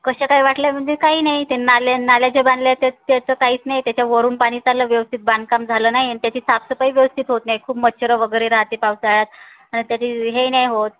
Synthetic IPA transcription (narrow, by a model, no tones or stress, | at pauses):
kəɕakaɦiːʋaʈljam̤əɳd͡zekaɦiːnajt̪enalanaljad͡ʑeband̪ljat̪et̪at͡səkaɦiːt͡snajt̪jat͡ɕjaʋəɾuːnpaɽ̃iːt͡saləʋjəʋəst̪ʰit̪̚band̪̚kamd͡zʱaləːnaɦinit̪jat͡ɕiːsapsəpaiʋjəʋəst̪ʰit̪ɦot̪najkʰuːpmət̪ːɕʰəɾəʋəɡəɾeɾaɦt̪epawt͡saɭat̪̚ | aɽ̃it̪jat̪iːɦejnajɦot̪